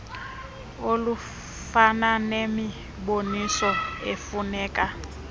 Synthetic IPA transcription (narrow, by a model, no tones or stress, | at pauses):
olu | fananemi | bonisɔefunɛːkʼa